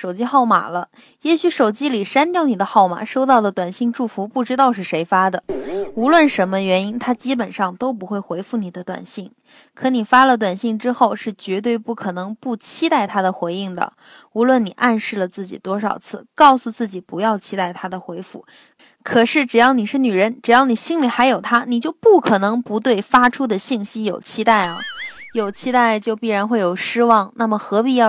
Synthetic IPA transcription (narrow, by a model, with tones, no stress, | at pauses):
ʂo˨˩ʊt͡ɕi˥xɑ˥˩ʊma̰˨˩lə˦ | jɛ˧˥ɕy˧˥ʂo˨˩ʊt͡ɕi˥li˨˩ʂa˥nt̪jɑ˥˧ʊni˨˩d̪ə˦xɑ˥˩ʊma̰˨˩ʂo˥ʊt̪ɑ˥˩ʊd̪ə˩t̪wa˨˩nɕi˥˧ŋʈ͡ʂu˥˩fu˧˥pu˥˩ʈ͡ʂɻ̩˥t̪ɑ˥˧ʊʂɻ̩˥˩ʂe˧˥ɪfa˥d̪ə˨u˧˥lwə˥˩nʂə˧˥nmə˧ɥɛ˧˥ni˥nt̪ʰa˥t͡ɕi˥p̬ə˨˩nʂɑ˥˩ŋt̪o˥ʊp̬u˧˥xwe˥˩ɪxwe˧˥ɪfu˥˩ni˨˩d̪ə˦t̪wa̰˨˩nɕi˥˩ŋ | kʰɤ˧˥ni˨˩fa˥lə˨t̪wa˨˩nɕi˥˩ŋʈ͡ʂɻ̩˥xo˥˧ʊʂɻ̩˥˩t͡ɕɥɛ˧˥t̪we˥˧ɪpu˥˩kʰɤ˨˩nɤ˧˥ŋpu˥˩t͡ɕʰi˥t̪a˥˩ɪt̪ʰa˥d̪ə˨xwe˧˥ɪi˥˩ŋd̪ə̰˩ | u˧˥lwə˥˩ni˨˩ʔa˥˧nʂɻ̩˥˩lə˩t͡sɹ̩˥˩t͡ɕḭ˨˩t̪wɔ˥ʂɑ̰˨˩ʊt͡sʰɹ̩˥˩kɑ˥˩ʊsu˨˧t͡sɹ̩˥˩t͡ɕi˨˩pu˧˥jɑ˥˩ʊt͡ɕʰi˥t̪a˥˩ɪt̪ʰa˥d̪ə˨xwe˧˥ɪfu˥˩ | kʰɤ˨˩ʂɻ̩˥˩ʈ͡ʂɻ̩˨˩jɑ˥˩ʊni˨˩ʂɻ̩˥˩ny˨˩ɻə˧˥nʈ͡ʂɻ̩˨˩jɑ˥˩ʊni˨˩ɕi˥nli˨˩xa˧˥ɪjo˨˩ʊt̪ʰa˥ni˨˩t͡ɕjo˥˧ʊpu˥˩kʰɤ˨˩nɤ˧˥ŋpu˧˥t̪̬we˥˩ɪfa˥ʈ͡ʂʰu˥d̪ə˨ɕi˥˩ŋɕi˥jo˨˩ʊt͡ɕʰi˥t̪a˥˩ɪɐ̰˩jo˨˩ʊt͡ɕʰi˥t̪a˥˩ɪt͡ɕjo˥˧ʊpi˥˩ɻa˧˥nxwe˥˩ɪjo˨˩ʊʂɻ̩˥wɑ˥˩ŋna˥˩mə˩xɤ˧˥pi˨˩jɑ˥˧